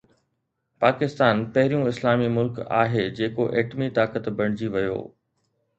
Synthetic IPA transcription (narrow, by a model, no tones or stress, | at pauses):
paːkɪst̪aːnpɐɦɪɾijũɪslaːmimʊlka̰ːɦed͡ʑeːkoʔeːʈmit̪aːkət̪bɐɽ̃ɪd͡ʑiʋɐjo̰ː